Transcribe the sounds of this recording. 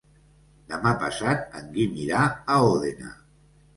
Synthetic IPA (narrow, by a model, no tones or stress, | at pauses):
d̪amapasat̪̚a̰ŋɡimiɾaaoðena̰